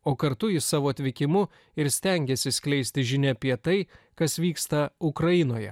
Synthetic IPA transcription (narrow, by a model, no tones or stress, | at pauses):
oːkɐɾt̪ʊɪsɑːʋoːɐt̪ʲʋʲɪkʲɪmʊ | ɪɾsʲt̪ʲɛŋʲɡʲɛsʲɪsʲkʲlʲɛɪsʲt̪ʲɪʒʲɪnʲɛpʲiɛt̪ɐɪkɐsʋʲiːkst̪ɐʊkɾɐjɪnoːjɛ̰